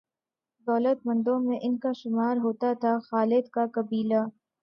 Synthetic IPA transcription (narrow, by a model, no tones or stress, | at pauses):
d̪ɔːlət̪̚mɐ̃nd̪õmẽʔɪnkaʃʊmaːɾɦoːt̪at̪ʰaxaːlɪd̪kakɐbiːla